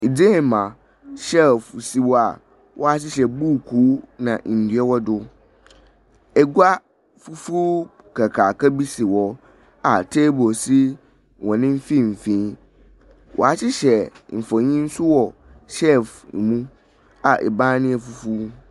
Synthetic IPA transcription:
i˨d͡ze˦˨mã˨ | ɕɛ˦fsi˨wɔ˨a˨ | wʔɔ˦a˨ɕɪ˦ɕɛ˨buː˦˨kʰuː˨˦nã˨n̩˨di˨˦ɛ˦wɔ˦dʊ˦ | ɛ˨ɡʷa˦ | fu˦fuː˦ | kʰa˨kʰa˨kɛ˦bi˦si˨wɔ˨ | a˨tʰe˦bo˨si˦ | wɔ̃˨nɪ̃˦m̩˦fĩ˦m̩˨fĩː˨˦ | wʔɔ̰˨a˨t͡ɕɪ˦ɕɛ˨m̩˨fɔ̃˨ɲĩ˦n̩˦sʊ˦wɔ˨ | ʃɛ˦˨f̩˨mũ˦ | a˨ʔɛ̰˨bãː˦nɪ̃˦ɛ˨fu˦fu˦

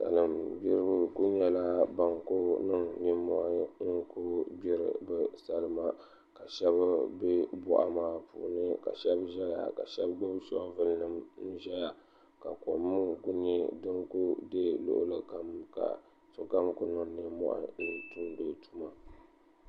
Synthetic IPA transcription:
sa̰˨lɨ˨mbi˦ɾbku˦ɲɛ˦la˦ba˨ŋku˦nɨ˦ŋni˦mɔ̰˦ʔa˦ŋ̩˦kʊ˦bi˦ɾɨ̰˨bɨ˦sa˦lɨ˦ma˦ | ka˨ʃɛ˦bbe˦bɔ̰˦ʔa̰˨maː˦pṵ˨nɨ˦ka̰˨ʃɛ˦bʒɛ˦ja̰˨ka̰˨ʃɛ˦bɡʊ˦bʃɔ̰˦vɨ˦lnɨ˦mn̩˦ʒɛ˦ja˨ | ka˨ko˨mːɨ˦ŋku˦ɲɛ˦dɨ˦ŋku˦de˦lʊ̰˦ʔʊ̰˦lɨ˦ka˦mka̰˨ | sʊ˨ka˦mkʊ˦nɨ˨ŋni˦mːɔ̰˦ʔa̰˦˨nɨ˦tu˦n˦do˨tu˦ma˨

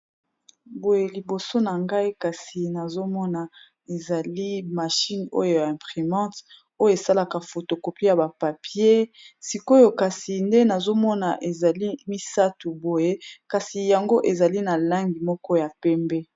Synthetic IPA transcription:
bo˨je˨li˨bo˨so˦na˨ŋɡa˦i˦ka˨si˨na˨zo˦mɔ˦na˨ | e˨za˨li˦ma˨ʃi˦no̰˦jo˨ja˨ɛ̃˨pʁi˨mɑ̃˦t | o˦jo˦˨e˨sa˦la˨ka˨fo˨to˨ko˨pi˦ja˨ba˨pa˨pje˦si˨ko˦jo˨ka˨si˨nde˦na˨zo˦mɔ˦na˨ʔe˨za˨li˦mi˦sa˦tu˨bo˨je˦ka˨si˨ja˨ŋɡo˦ʔe˨za˨li˦na˨la˦ŋɡi˨mɔ˦kɔ˦ja˨pɛ˦mbɛ˦

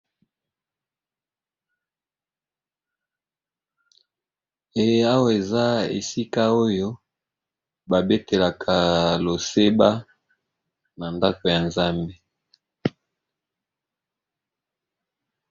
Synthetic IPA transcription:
e˨je˦a˦wa˨e˨za˦ḛ˨si˦ka˦o˦jo˦ | ba˨be˦te˨la˨kʰa˨lo˨se˦ba˦ | na˨nda˦ko˨ja˨nza˦mbe˦

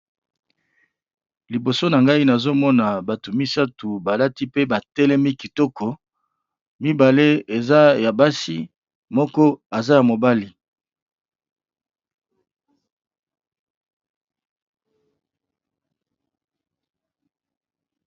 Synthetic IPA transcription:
li˨bo˨so˦na˨ŋɡa˦i˦na˨zo˦mɔ˦na˨ba˨tu˨mi˦sa˦tu˨ba˨la˦ti˦pe˦ba˨tɛ˦lɛ˦mi˦ki˨tɔ˦kɔ˨ | mi˦ba˨le˦e˨za˦ja˨ba˦si˦ | mɔ˦kɔ˦a˨za˦ja˨mo˨ba˦li˨

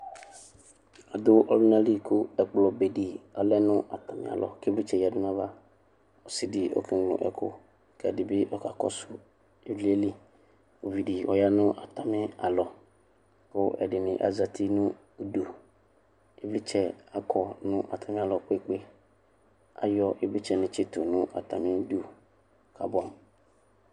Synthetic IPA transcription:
a˨d̪ʊ˦ʔɔ˨lʊ˦nã˦li˦kʰʊ˦ɛ˨k͡plɔ˨be˨di˨ɔ˨lɛ˦nʊ̃˦ʔa̰˨t̪a˨mɪ̰˨a̰˨lʔɔ̰˨ke˦vlɪ˦t͡ʃɛ˨ja˨dʊ˦nã˦va˦ | ɔ˨sɪ˨dɪ˨ɔ̰˨kʰɪ˦˨lʊ̰̃˨ʔɛ̰˨kʰʊ̰˦ | kɛ˨dɪ˨bɪ˦ʔɔ˨ka˨kɔ̰˦sʊ˦ | e˨vli˦e˦li˦ | o˨vi˨di˨ɔ˨ja˦nʊ̃˦ʔa˨t̪a˨mɪ̃˦a̰˨lɔ˨ | kʊ˦ʔɛ˨dɪ˨nɪ̃˨ʔa̰˨za˨tʰi˦nʊ̃˦˨ | du˨ | ɪ˦bli˦t͡ʃʰɛ˨a˨kʰɔ˨nʊ̃˦ʔa̰˨tʰa˨mɪ̃˦a˨lɔ˨k͡pe˦˨k͡pe˦ | a̰˨jɔ˦ʔɪ˦bli˦t͡ʃʰɛ˨nɪ̃˨t͡ʃʰɪ˦tʰʊ˨nʊ̃˦ʔa̰˨tʰa˨mɪ̃˦du˦˨ | kʰa˨bã˦m

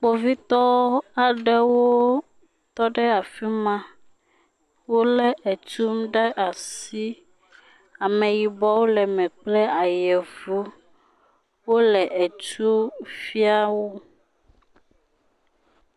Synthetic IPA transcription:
k͡po˨vi˦t̪ɔ˦a˨ɖɛ˦wo˦ | t̪ɔ˦ɖɛ˦a˨fi˦mã˦ | wo˦lɛ˦ʔɛ˨t͡ʃu˦mɖe˦ʔa˨si˦ | a˨mɛ̃˨ji˨bɔ˦wo˦lɛ˨mɛ̃˨k͡plɛ˦a˨jɛ˨vu˦ | wo˦lɛ˨ʔɛ˨t͡ʃu˦fi˦a˦wo˦

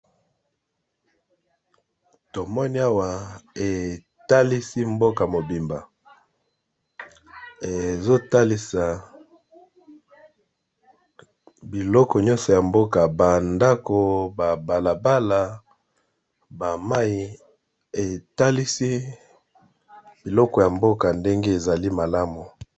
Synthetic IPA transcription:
to˨mɔ˦ni˦a˦wa˨e˨ | ta˦li˦si˦mbo˦ka˨mo˨bi˨mba˨ | e˨zo˦ta˦li˦sa˨ | bi˨lɔ˦kɔ˨ɲɔ˦nsɔ˨ja˨mbo˦ka˨ba˨nda˦ko˨ba˨ba˨la˨ba˦la˨ | ba˨ma˦i˨ | e˨ta˦li˦si˦ | b̥i˨lɔ˦kɔ˨ja˨mbo˦ka˨nde˦ŋɡe˦e˨za˨li˦ma˨la˦mu˨

